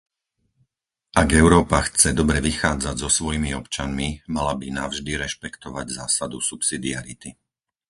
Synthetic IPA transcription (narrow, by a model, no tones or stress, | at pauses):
aɡɛʊɾɔːpaxt͡sɛd̪ɔbɾɛʋixaːd͡zaɟzɔsʋɔjimiɔpt͡ʃanmimalabinavʒd̪iɾɛʃpɛkt̪ɔʋaɟzaːsad̪usupsid̪iaɾit̪i